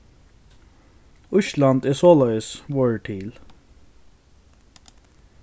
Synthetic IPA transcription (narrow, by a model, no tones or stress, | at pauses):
ʊʃlɑnd̪ɛːsoːlœʏəsʋoːɹʈʰiːl